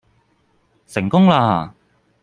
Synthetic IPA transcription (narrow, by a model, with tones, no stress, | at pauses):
sɪ˨˩ŋkʊ˥ŋlaː˧˩˨